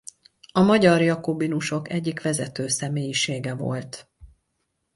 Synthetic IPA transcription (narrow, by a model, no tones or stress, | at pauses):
ɒmɒɟɒrjɒkobinuʃo̞kɛɟːikʋɛzɛt̪øːsɛmeːjiʃeːɡɛvo̞̰lt̪